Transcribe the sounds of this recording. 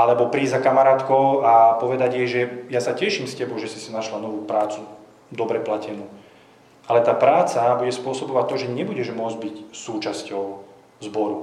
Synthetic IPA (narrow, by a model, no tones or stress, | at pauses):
ʔalɛbɔpɾiːzakamaɾaːt̪kɔʊapɔʋɛd̪aɟjɛʒɛjasacɛʃiːmscɛbɔʊʒɛsisinaʃlanɔʋuːpɾaːt͡su | d̪ɔbɾɛplacɛnuː | ʔalɛt̪aːpɾaːt͡sabuɟɛspʊɔsɔbɔʋac̚t̪ːɔʒɛɲɛbuɟɛʒmʊɔd͡zɟbicsuːt͡ʃascɔʊ | zbɔɾu